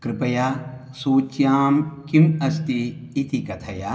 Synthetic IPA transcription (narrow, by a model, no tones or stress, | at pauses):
kɾɪpɐjasuːt͡ʃjaːmkimɐst̪iːt̪ʰikɐt̪ʰɐja